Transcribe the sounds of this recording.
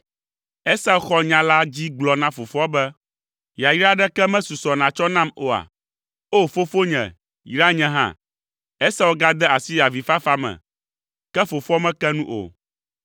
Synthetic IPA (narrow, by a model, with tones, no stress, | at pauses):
ɛ˦sa˦˨xɔ˦ɲã˨la˦d͡ʑi˦ɡ͡blɔ˨nã˦fo˨fɔ˦bɛ˦ | ja˨ji˦ɾa˦ɖɛ˦kɛ˦mɛ̃˦su˨sɔ˨nã˨t͡ʃɔ˦nã˦mo˨a̰˨ | o˦fo˦fo˦ɲɛ̰̃˨ | ji˦ɾa˦ɲɛ̃˨ɦã̰˦ | ɛ˦sɛ˦wo˦ɡa˦d̪ɛ˦a˨si˦ja˨vi˨fa˦fa˦mɛ̰̃˨ | kɛ˦fo˨fɔ˦mɛ̃˦kɛ˦nũ˦ʔo̰˨